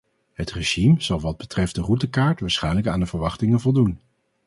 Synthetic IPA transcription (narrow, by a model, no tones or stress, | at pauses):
ɦətreʒimz̥ɑlˠʋɑd̚bətrɛft̚dərutəkaːɹtʋaːɹsχɛjnləkaːndəvəɹʋɑχtɪŋəvɔlˠdun